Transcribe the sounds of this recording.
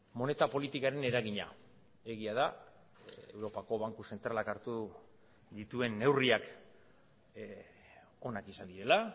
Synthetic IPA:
mo̞ne̞t̪apo̞lit̪ikaɾe̞ne̞ɾaɣiɲa̰ | e̞ɣ̞iað̞a | ḛwɾo̞pako̞βaŋkuse̞nt̪ɾalakaɾt̪u | ðit̪ue̞nːe̞wriak | o̞nakisand̪iɾe̞la

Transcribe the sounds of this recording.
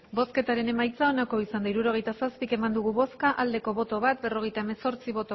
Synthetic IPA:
bo̞ske̞t̪aɾe̞ne̞majt͡sao̞nako̞isand̪aiɾuɾo̞ɣ̞e̞jt̪asaspike̞mand̪uɣ̞uβo̞skaʔald̪e̞ko̞βo̞t̪o̞βat̪̚be̞ro̞ɣ̞e̞jt̪aeme̞so̞ɾt͡siβo̞t̪o

